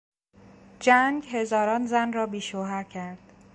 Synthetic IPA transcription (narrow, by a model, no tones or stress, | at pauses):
d͡ʒæŋɡɦe̞zɒːɾɒːnzænrɒːbiːʃoːɦæɾcʰæɾd̪̥